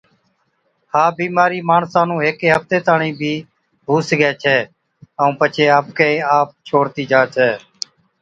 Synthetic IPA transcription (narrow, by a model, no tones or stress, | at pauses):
haːbiːmaːɾiːmaːɳsãːnũːɦekeːɦəft̪eːt̪aːɳĩːbʱiː | ɦuːsəɡɛːt͡ʃʰɛː | əũːpət͡ʃʰeːaːpkeaːp̚t͡ʃʰoːɾt̪iːd͡ʒãːt͡ʃʰɛː